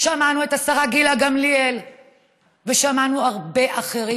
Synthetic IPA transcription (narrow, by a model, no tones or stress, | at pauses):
ʃamanuetasaʁaɡilaɡamliel | veʃamanuaʁbe̞ʔaχeʁi